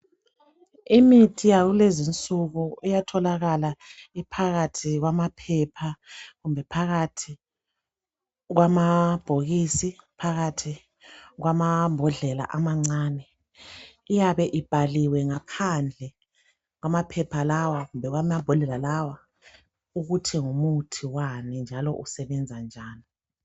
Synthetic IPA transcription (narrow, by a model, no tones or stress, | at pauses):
imitʰijaɣulezint͡sʼuɣuɛjatʰɔlaɣalaipʰaɣatʰiɣwamapʰɛpʰaɣumbʱɛpʰaɣatʰi | ɣwamab̥ʱoɣisipʰaɣatʰi | ɣwamambʱɔɮɛla̰ʔamaŋ͡ǀaːnɛ | ijaβɛʔib̥ʱaliwɛŋapʰand͡ɮʱɛ | ɣwamapʰɛpʰalawaɣumbʱɛɣwamabʱɔɮɛlalawa | uɣutʰiŋumutʰiwanɛnd͡ʒʱalɔ̰ʔusɛβɛnd͡zʱand͡ʒʱaːni